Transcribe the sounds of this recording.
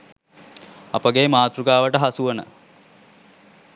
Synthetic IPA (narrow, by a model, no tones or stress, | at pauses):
ɐpəɡemaːt̪ɾuɡaːʋəʈəɦasuʋənə̰